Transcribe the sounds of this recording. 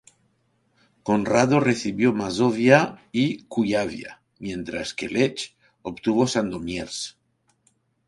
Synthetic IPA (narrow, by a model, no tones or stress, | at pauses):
konraðoreθiβjomazoβjaikujaβja̰ | mjẽ̞nt̪ɾaskelet͡ʃ | opt̪uβosand̪omjeɾs